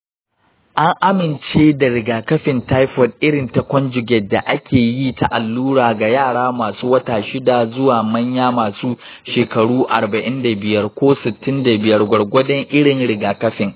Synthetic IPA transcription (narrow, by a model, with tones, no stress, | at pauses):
ʔa˦ŋʔa˦mɪ˨nt͡ʃeː˦da˨ɽɪ˨ɡaː˨kɐ˦ɸɪ˨nta˦jɸɔ˨d̚ʔɪ˦ɽɪ˨nta˨kʷɔ˦nd͡ʒʊ˨ɡʲɛ˨dːa˨ʔa˦kʲʰeː˨jiː˦ta˦˨ʔa˨lːuː˦ɽaː˨ɡa˨jaː˦˨ɽaː˦maː˨suː˦wɐ˦taː˨ʃɪ˦da˨zʊ˦waː˨mɐ˦ɲjaː˦maː˨suː˦ | ʃeː˨kɐ˨ɽuː˦ʔa˨rbɐ˨ʔɪ˦nda˨bɪ˨jɐ˦rkʷoː˦sɪ˨tːɪ˦nda˨bɪ˨jɐ˦rɡʷɐ˨ɽɡʷɐ˦dɐ˦ŋʔɪ˦ɽɪ˨ŋɽɪ˨ɡaː˨kɐ˦ɸɪ˨ŋ